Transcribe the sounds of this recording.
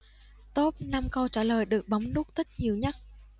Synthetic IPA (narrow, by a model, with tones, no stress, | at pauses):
t̪o˦˥p̚na˧mka˧wt͡ɕaː˧˩ləː˨˩jɗɨ˨˩ək̚ɓə˨˦wŋ͡mlu˦˥k̚t̪ʰi˦˥t̚ɲi˨˩əwɲa˦˥t̚